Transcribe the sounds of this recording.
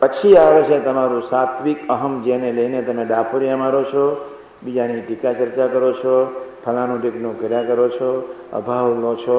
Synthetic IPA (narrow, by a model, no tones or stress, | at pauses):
pət͡ʃʰiaʋet͡ʃʰet̪əmaɾũsat̪ʰʋikəɦəmd͡ʒeneləinet̪əmeɖapʰoɾijamaɾot͡ʃʰɔ | bid͡ʒaniʈikat͡ʃəɾt͡ʃakəɾot͡ʃʰɔpʰəlãnũʈiknõɡəɾakəɾot͡ʃʰɔə̰bʱaʋlot͡ʃʰɔ